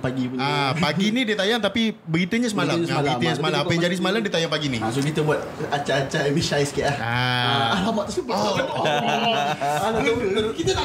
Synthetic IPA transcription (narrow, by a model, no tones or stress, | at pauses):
paɡipuapaɡinidiat̪ajaŋt̪apibəɡit̪uɲasəmalamabləɡiuɲaŋsəmalaapajaŋd͡ʒadis̬əmalamdiat̪ajaŋpaɡinis̬okit̪abuat̪̚at͡ʃaːt͡ʃaewiʃaiskiaʔaaalamat̪usup | alkit̪a